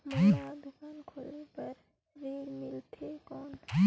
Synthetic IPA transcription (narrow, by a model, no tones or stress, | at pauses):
mãad̪ʊkaːnkʰoːlepɐɾ | ɾeːlmɪlt̪ʰekɔːnʰ